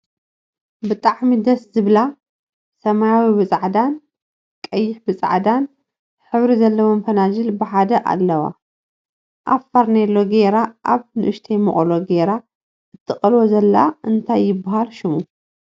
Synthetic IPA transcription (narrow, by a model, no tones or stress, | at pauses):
bɨt̪ʼaʕmid̪ɐszɨβla | sɐmajawibɨt͡sʼaʕd̪an | kʼɐjːɪħbɨt͡sʼa̰ʕd̪an | ħɨβɾizɐlːɐwomfɐnad͡ʒɨlbɨħad̪ɐʔa̰lːɐwa̰ | ʔafaɾnelːo̞ɡeɾaʔa̰βnɨʔɨʃt̪ʰejmɨχʼloɡeɾa | ʔɨt̪ʰːɨχʼɐlwozɐlːa̰ʔɨnt̪ʰajːɪbːaɦalʃɪmu